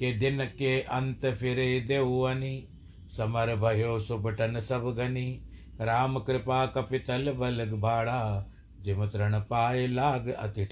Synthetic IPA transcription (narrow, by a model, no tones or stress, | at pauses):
ked̪ɪnkeʔɐnt̪pʰɪɾeid̪eːuɐniː | sɐməɾbʱɐɦjoːsʊbʈənsɐbɡɐni | ɾaːmkɾɪpaːkɐpɪt̪əlbɐləɡbʱaːɽaː | d͡ʒɪmət̪ɾəɳ̃paːelaːɡɐ̰t̪ɪʈ